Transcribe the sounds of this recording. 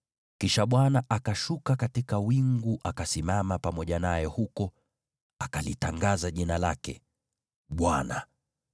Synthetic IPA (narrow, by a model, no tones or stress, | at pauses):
kiʃaɓwanaʔakaʃukakatikawiŋɡuʔakasimamapamɔʄanajɛhukɔ | akalitaŋɡazaʄinalakɛ̰ | ɓwana